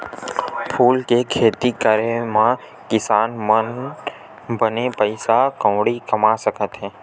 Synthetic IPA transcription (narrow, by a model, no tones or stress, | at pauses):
pʰuːlkekʰeːt̪ikəɾemã | kɪsaːnmən | bənepəɪsakə̃ːɽikəmasəkət̪ɦɛ̃ː